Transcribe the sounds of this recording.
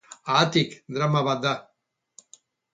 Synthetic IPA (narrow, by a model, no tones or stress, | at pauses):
aːt̪ikd̪ɾamaβat̪̚d̪a